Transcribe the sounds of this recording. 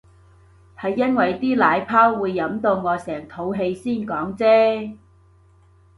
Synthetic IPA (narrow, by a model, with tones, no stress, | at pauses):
hɐ˨jːɐ˥nwɐ˨jt̪iː˥laː˨˧jpʰaː˥wːuː˨˧jːɐ˨˥mt̪o˧wŋɔː˨˧sɛː˨˩ŋt̪ʰo˨˧˥wɦe˧jsiː˥˩nkɔː˨˥ŋt͡sɛː˥